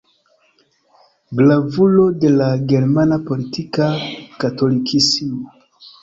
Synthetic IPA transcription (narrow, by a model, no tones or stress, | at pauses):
ɡlavulo̞de̞laɡe̞ɾmanapo̞litʰikakato̞likʰisimo